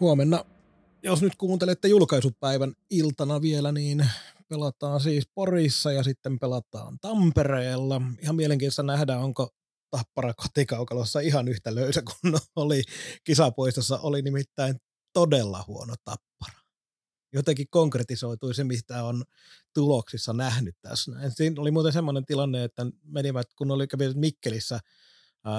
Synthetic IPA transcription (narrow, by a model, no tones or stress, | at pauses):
huomenːɑ | josnyt̪kuːnt̪elet̪ːejulkɑisuppæiʋænilt̪ɑnɑʋielæniːnpelɑt̪ɑːnsiːsporisːɑjɑsit̪ːempelɑt̪ɑ̰ːnt̪ɑmpereːlːɑihɑmmieleŋkinsːɑnæhdæːoŋko | t̪ɑpːɑrɑko̥t̪ikɑukɑlosːɑihɑnyht̪æløysæku̥nolikisɑpoist̪ɑsːɑʔolinimit̪ːæin | t̪odelːɑ̰huo̰not̪ɑ̰pːɑ̥rɑ̥ | jot̪eŋkikkoŋkret̪isoit̪uisemist̪æon | t̪uloksisːɑnæhnyt̪t̪æ̰snæinsiːnolimuːt̪ensemːonent̪ilɑnːeet̪ːæmeniʋæt̪kunːolikæʋiʋæt̪mikːelisːæ